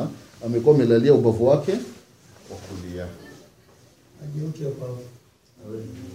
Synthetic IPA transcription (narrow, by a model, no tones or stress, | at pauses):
amɛkuwaːmɛlaliaubavuwakɛ | wakulia | aʄiɔkiapa